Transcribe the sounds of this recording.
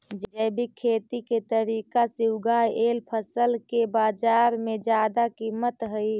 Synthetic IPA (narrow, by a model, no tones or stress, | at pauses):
d͡ʒd͡ʒəbikʰːet̪iket̪əɾikasiwɡajelpʰəsəlkebad͡ʒaɾmed͡ʒjad̪akimət̪ɦəj